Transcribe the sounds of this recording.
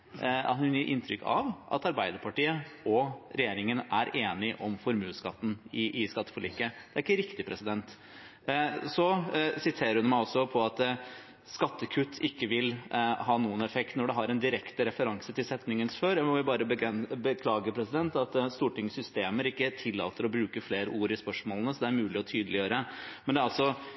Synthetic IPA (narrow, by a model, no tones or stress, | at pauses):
ɑ̰t̪hʉnjiɾʔɪ̰nt̪ʰɾʏ̰kːɑ̰ʋʔɑ̰t̪ɑɾbæɪd̪əɾpʰɑʈiːəɔɾɛjeːɾɪŋənæɾʔeːnɪʔɔmfɔɾmʉːskɑ̰t̪ːn̩ɪʔɪskɑt̪ːəfɔlɪ̰kːəd̪ɛæɾɪkːəɾɪkt̪ɪpʰɾɛsɪd̪ɛnt̪ | sɔsɪt̪ʰeːɾəɾhʉnmæɪɔsːɔpʰɔɑt̪ | skɑt̪ːəkʰʉt̪ʰːɪkːəʋɪlhɑːnuːənɛfɛkt̪nɔɖɛɦɑɾɛnd̪ɪɾɛkt̪əɾɛfəɾɑŋsət̪ɪlsɛt̪nɪŋənsføɾjæmɔɪlbɑːɾəbəɛbəkʰlɑːɡəpʰɾɛsɪd̪ɛnt̪ɑt̪st̪uːʈɪŋəsʏst̪eːməɾɪkːət̪ʰɪlːɑ̰ːt̪əɾɔbɾʉːkəfleːɾəuːɾɪspœʂmoːlənəsɔd̪ɛæɾmʉːlɪɔt̪ʰyːd̪əlɪjøːɾəmɛnd̪ɛæɾɑlsɔ